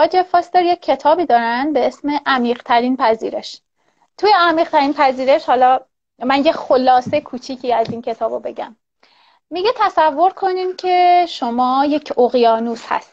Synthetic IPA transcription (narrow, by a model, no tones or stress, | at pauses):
ɒːd͡ʒefɒːst̪eɾjecʲʰːe̞t̪ʰɒːbiːd̪ɒːɾænd̪̚be̞esme̞ʔæmiːʁt̪ʰæɾiːnpʰæzḭːɾe̞ʃ | t̪ʰujeæmiːʁt̪ʰæɾinpʰæziːɾe̞ʃhɒːlɒ | mænje̞xolɒːsekʰuːt͡ʃʰicʰiːæziːncʰe̞t̪ʰɒːbobe̞ɟæ̰mː | iɟe̞t̪ʰæsævːo̞ɾkʰo̞nimcʰe̞ʃo̞mɒːje̞kcʰoɣijɒːnuːshæ̰st̪